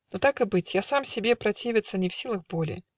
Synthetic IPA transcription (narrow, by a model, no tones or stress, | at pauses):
nut̪akɨbɨt͡sʲjasamsʲɛbʲɛpɾat͡sʲevʲɪt̪sːɐnʲɛwsʲilˠɐxbɔlʲḭ